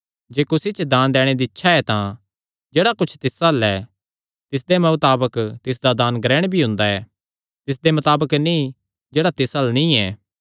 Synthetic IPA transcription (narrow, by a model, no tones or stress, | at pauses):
d͡ʒeːkʊsit͡ʃd̪aːnd̪ɛːɽ̃ed̪iɪtːʃʰaɛt̪ã | d͡ʒeːɽakʊt͡ʃʰt̪ɪsalɛː | t̪ɪs̬d̪emɐt̪aːbəkt̪ɪs̬d̪ad̪aːnɡɾɛːɽ̃bʱiɦʊ̃nd̪aɛː | t̪ɪs̬d̪emɐt̪aːbəknĩ | d͡ʒeːɽat̪ɪsɐlnĩɛː